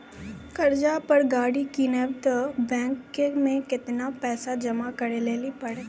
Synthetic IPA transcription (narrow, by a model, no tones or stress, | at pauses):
kɐɾd͡ʒapɐɾɡaːɽikiːnebt̪bɛ̃ːŋkɪ̃ɡmẽkɪt̪napɛːsad͡ʒɐmakəɾeleːlipɐɽeː